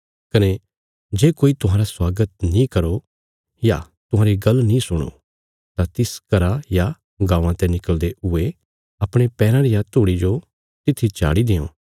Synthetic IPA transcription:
kɐne | d͡ʒeːkoːit̪ʊɦãːɾaswaːɡət̪̚nĩkɐɾo | ja | t̪ʊɦãːɾiɡɐlːnĩsʊɽ̃o̰ | t̪at̪ɪskɐɾaja | ɡãːʋãt̪ɛnɪkəld̪eʊe | ɐpɽ̃epɛːɾãɾijat̪uːɽid͡ʒo | t̪ɪt̪ʰːit͡ʃa̰ːɽid̪ɪjõ̰ː

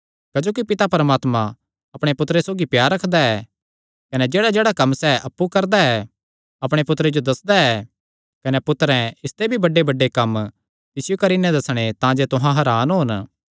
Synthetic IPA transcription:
kɐd͡ʒoːkipɪt̪apɐɾəmaːt̪mã | ɐpɽ̃epʊt̪ɾesoːɡipjaːɾɐkʰd̪aɛ | kɐnɛd͡ʒeːɽad͡ʒeːɽakɐmːsɛʔɐpːukɐɾd̪aɛ | ɐpɽ̃epʊt̪ɾed͡ʒod̪ɐsd̪aɛː | kɐnɛpʊt̪ɾɛ̃ɪst̪ebʱibɐɖebɐɖekɐm | t̪ɪsɪjokɐɾiːnɛ̃d̪ɐsɽ̃et̪ãd͡ʒet̪ʊɦãɦɐɾaːnɦoːn

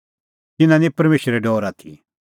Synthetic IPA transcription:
t̪ɪnãnipɐɾmeːʃəɾeɖɔːɾat̪ʰḭ

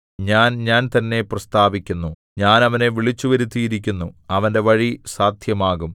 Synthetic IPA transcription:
ɲaːnɲaːnt̪ɐnːe̞prɐst̪ʰaːbikʲːunːu | ɲaːnɐʋɐne̞ʋiɭit͡ɕːuʋɐɾut̪ːijiɾik̬ʲːunːuɐʋɐnde̞ʋɐɻisaːd̪ʱjɐmaːɣum

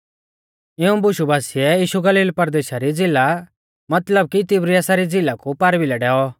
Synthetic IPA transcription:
ɪũbʊʃubʱaːsɪɛjiːʃuɡɐliːlpɐɾd̪eːʃaɾid͡zɪla | mɐt̪ləb̚kit̪ɪbɾiaːsaɾid͡zɪlakupaɾbilɛɖɛːɔ

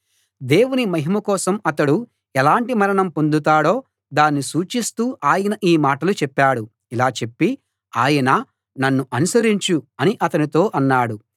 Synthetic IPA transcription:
d̪e̞ːwunimɐɦimɐkɔːsɐmɐt̪ɐɽu | ɛlaːɳʈimɐɾɐɳɐmpo̞nd̪ut̪aːɽo̞ː | d̪aːnːisuːt͡ʃist̪uːʔaːjɐnɐʔiːmaːʈɐlut͡ʃɛpːaːɽu | ilaːt͡ʃe̞pːi | aːjɐnɐ | nɐnːuʔɐnusɐɾiɲt͡ʃuɐniʔɐt̪ɐnit̪o̞ːʔɐnːaːɽu

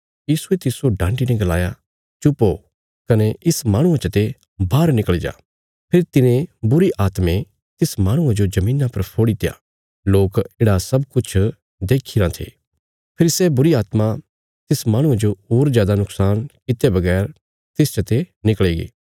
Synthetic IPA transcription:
jiːsuet̪ɪsoɖãːɳɖinɛ̃ɡɐla̰ːja | t͡ʃʊpːo | kɐnɛʔɪsmaːɽ̃ʊ̃ãt͡ʃɐt̪e | bʱaːɾnɪkəɭed͡ʒa̰ː | pʰɪɾt̪ɪnẽbʊɾiʔaːt̪mẽ | t̪ɪsmãːɽ̃ʊ̃ãd͡ʒod͡ʒɐmĩːnãpɐɾpʰoːɽit̪ɪja̰ː | loːkeːɽasɐbkʊt͡ʃʰ | d̪eːkʰiɾãt̪ʰḛː | pʰɪɾisɛbʊɾiaːt̪ma | t̪ɪsmãːɽ̃ʊ̃ãd͡ʒooːɾzjaːd̪anʊksaːnkɪt̪ebɐɡɛːɾ | t̪ɪst͡ʃɐt̪enɪkɭeːɡḭː

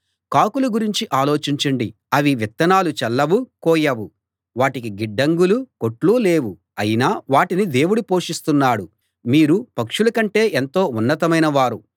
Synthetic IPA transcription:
kaːkulɐɡuɾiɲt͡ʃiʔaːlo̞ːt͡ʃiɲt͡ʃɐɳɖi | ɐʋiʋit̪ːɐnaːlut͡ʃɛlːɐʋukɔːjɐʋu | ʋaːʈikiɡiɖːɐŋɡuluko̞ʈluːle̞ːwu | ɐjinaːʋaːʈinid̪e̞ːwuɽupo̞ːʂist̪unːaːɽu | miːɾupɐkʂulɐkɐɳʈe̞ːʔent̪o̞ːunːɐt̪ɐmɐjnɐʋaːɾu

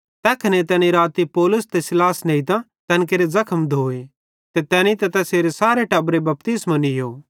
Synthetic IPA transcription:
t̪ɛːkʰɐnet̪ɛːniɾaːt̪ipɔːlʊst̪esɪlaːsnẽit̪ã | t̪ɛ̃ːnk̬eːɾezɐkʰəmd̪ʱoːe | t̪et̪ɛːnĩt̪ɛt̪ɛseːɾesaːɾeʈɐbɾebɐp̚t̪ɪsmãnɪjoː

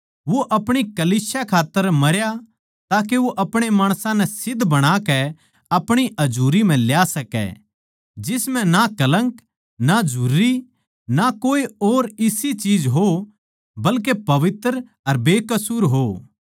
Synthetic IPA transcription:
ʋoʔɐpɽ̃ikɐliːsjakʰaːt̪ːəɾmɐɾja | t̪aːk̬eʋoʔɐpɽ̃emaːɽ̃sãnɛsɪd̪ʱbɐɽ̃akɛ | ɐpɽ̃iʔɐd͡ʒuːɾim̤ɛ̃ljaːsɐkɛ̰ | d͡ʒɪsmɛ̃nakɐlə̃ŋk | nad͡ʒʱuːɾi | nakoːioːɾɪsit͡ʃiːd͡ʒɦo | bɐlk̬epɐʋɪt̪ɾ | ɐɾbeːkɐsuːɾɦoː

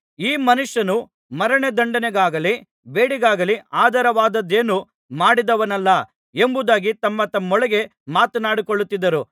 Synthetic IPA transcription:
iːmɐnuʂjɐnu | mɐɾɐɳed̪ɐɳɖɐneɡaːɡɐli | beːɽiɡaːɡɐliaːd̪ʱɐɾɐʋaːd̪ɐd̪eːnu | maːɽid̪ɐʋɐnɐlːɐ | embud̪aːɡit̪ɐmːɐt̪ɐmːɔɭɛɡe̞maːt̪ɐnaːɽikoɭːut̪ːid̪ːɐɾu

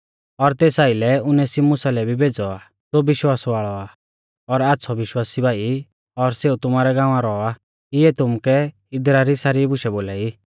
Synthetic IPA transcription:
ɔɾt̪eːsaːilɛʊnɛsimʊsalɛbʱibʱeːd͡zɔa | d͡zobɪʃwaːsʋaːɭɔaː | ɔɾaːt̪ːsʰɔʋɪʃwaːsibʱaːi | ɔɾseːut̪ʊmaːɾɛɡãːʋ̃ãɾɔa | ɪɛt̪ʊmkɛ | ɪd̪ɾaɾisaːɾibʊʃɛboːlaːi

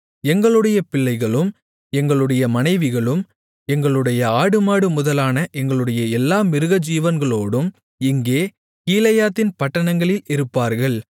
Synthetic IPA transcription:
ɛŋɡɐɭɯɽɐjɐpɪɭːɐɪɣɐɭɯm | ɛŋɡɐɭɯɽɐjɐmɐnɐɪʋɪɣɐɭɯm | ɛŋɡɐɭɯɽɐjɐaːɽɯmaːɽɯmʊðɐlaːnɐʔɛŋɡɐɭɯɽɐjɐɛlːaːmɪɾɯɣɐd͡ʒiːʋɐnɡɐɭoːɽɯm | ɪŋɡeː | kiːlɐjaːt̪ːɪnpɐʈːɐnɐŋɡɐɭɪlɪɾɯpːaːɾɣɐɭ

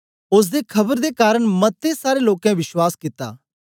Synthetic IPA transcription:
ʊs̬d̪ekʰɐbəɾd̪ekaːɾəɽ̃mɐt̪ːesaːɾeloːkɛ̃ʋɪʃwaːskɪt̪a̰ː

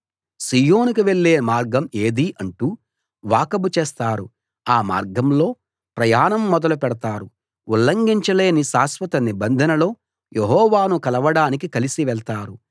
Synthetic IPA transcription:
siːjo̞ːnukiʋeɭːeːmaːɾɡɐmeːd̪iʔɐɳʈuː | ʋaːkɐbut͡ʃeːst̪aːɾu | aːma̰ːɾɡɐmlo̞ː | pɾɐjaːnɐmːɔd̪ɐlupɛɽɐt̪aːɾu | ulːɐŋɡiɲt͡ʃɐle̞ːnisaːsʋɐt̪ɐnibɐnd̪ʱɐnɐlo̞ː | jʔeɦɔːʋaːnukɐlɐʋɐɽaːnikikɐlisiʋɛɭt̪aːɾu

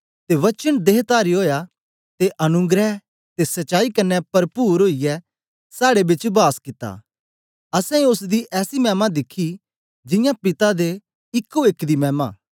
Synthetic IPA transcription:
t̪eʋɐt͡ʃənd̪eːɦt̪aːɾiɦoːja | t̪eʔɐnʊ̃ɡɾɛ | t̪esɐtːt͡ʃːaːikɐnːɛpɐɾpuːɾɦoːijɛ | saːɽebɪt͡ʃbaːskɪt̪ːa̰ː | ɐsɛ̃ʊsd̪iʔɛːsimɛːmãd̪ɪkʰːi | d͡ʒɪ̃jãpɪt̪ad̪e | ɪkːoɪkd̪imɛ̃ːmã̰ː

